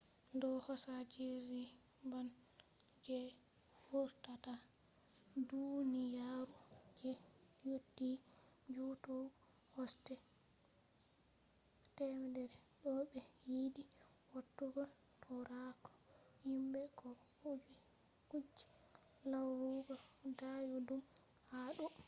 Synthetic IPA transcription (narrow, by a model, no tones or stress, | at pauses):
dɔhɔsad͡ʒiɾi | ban | d͡ʒɛ | hoɾtata | dunijaɾud͡ʒɛ | jotːi | d͡ʒutɔ | hɔstɛ | tɛmɛdɛɾɛɗɔɓɛjiːdi | wotːuɡɔ | tʰɔɾatɔ̥ | himbɛkɔ | ud͡ʒi | kud͡ʒi̥ | lawɾuɡɔdajudum | haɗu